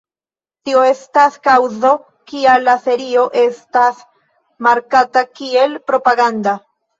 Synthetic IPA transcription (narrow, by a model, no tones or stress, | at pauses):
tio̞e̞staskawzo̞ | kialafe̞ɾio̞ʔe̞stas | maɾkatakie̞lpɾo̞paɡanda